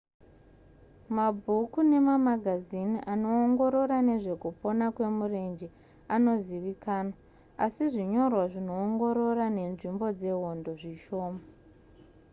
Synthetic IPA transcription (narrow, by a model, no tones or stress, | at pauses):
mabʱukune̞mamaɡʱaziniʔano̞ːŋɡo̞ɾo̞ɾane̞ʐe̞kupo̞nakwe̞mure̞nd͡ʒe | ano̞ziʋikaːna | asiʐiɲo̞rwaʐino̞ːŋɡo̞ɾo̞rane̞nʐimbo̞d͡ze̞ɦo̞ndo̞ʐiʃo̞ːma